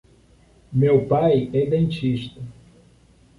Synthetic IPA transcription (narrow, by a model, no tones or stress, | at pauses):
mewpajɛd̪ẽnt͡ʃiʃt̪ɐ